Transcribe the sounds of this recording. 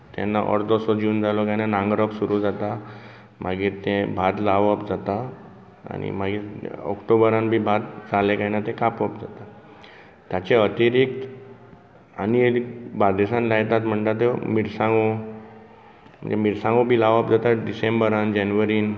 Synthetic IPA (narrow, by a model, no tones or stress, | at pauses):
t̪ɛ̰nːa̰ʔɔ̰ɾd̪ɔsɔd͡ʑuːnd͡zalɔkajnanãŋɡɾəpsuɾud͡zat̪a | maɡiːɾt̪ẽbʱat̪laʋəpd͡zat̪a̰ː | nḭmaɡiːɾɔ̰kʈobəɾãnbʱiːbʱat̪d͡zalekainat̪ẽkapəp̚d͡zat̪a | t̪jat͡ɕeət̪iɾiːk̚t̪ | a̰nibad̪esãnlajt̪at̪m̤əɳt̪at̪ːemiɾsãŋɡo | m̤ə̰ɳd͡zemiɾsãŋɡobʱiːlaʋapd͡zat̪aɖisembəɾand͡ʑɛnʋəɾiːn